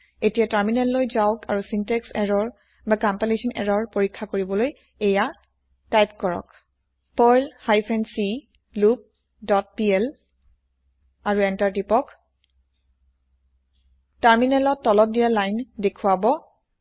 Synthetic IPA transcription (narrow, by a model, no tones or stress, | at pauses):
etijataɹminɛlːojzaʊkʰa̰ɹusintɛksɛɹɔɹ | bakampilesɔnɛ̰ɹɔɹpoɹikʰːakoɹibɔloj | eja | tajp̚kɔɹɔ̰k | pɔjlhajpʰɛnsi | lup̚ | dɔt̚piɛl | aɹuɛntaɹtipɔk | taɹminɛlɔtːɔlɔt̚dijalajndekʰuwabɔ